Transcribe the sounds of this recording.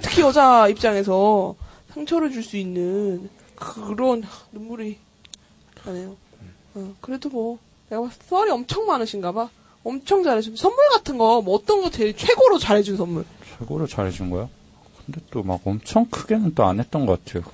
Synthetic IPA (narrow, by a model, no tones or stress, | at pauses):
tʰɯ̥kʰiʌd͡ʑaip̚t͡ɕ͈aŋe̞s̬ʰʌ | sʰaŋt͡ɕʰʌɾɯɭd͡ʑuɭs͈uinːɯn | kɯɾʌnanumːuɾi | anejo | akɯɾe̞domwʌ | ne̞ɡaas͈ʰʌɾiʌmt͡ɕʰʌŋmanɯɕʰinɡaba | ʌmt͡ɕʰʌŋd͡ʑaɾɦed͡ʑunsʰʌmːuɭɡatʰɯnɡʌmwʌːt͈ʌnɡʌt͡ɕet͡ɕʰwe̞ɡoɾot͡ɕaɾɦe̞d͡ʑunsʰʌnːuɭt͡ɕʰwe̞ɡoɾot͡ɕaɾɦed͡ʑunɡʌjo | kɯnde̞t͈oma̰ɡʌmt͡ɕʰʌŋkʰɯɡenɯnt͈oa̰nɦet̚t͈ʌnɡʌk͈atʰe̞jo